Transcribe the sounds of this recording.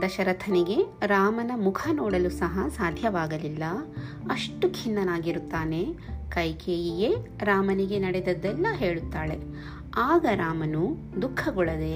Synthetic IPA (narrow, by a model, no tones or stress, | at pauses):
d̪ɐʃɐɾɐt̪ʰɐniɡe̞ɾaːmɐnɐmukʰɐnoːɽɐlusɐɦɐsaːd̪ʱjɐʋaːɡɐlilːɐ | ɐʂʈukʰinːɐnaːɡiɾut̪ːaːne̞kɐjkeːjije | ɾaːmɐniɡe̞nɐɽed̪ɐd̪ːɛlːɐɦeːɭut̪ːaːɭe̞ | aːɡɐɾaːmɐnu | d̪ukʰːɐɡɔɭɐd̪e̞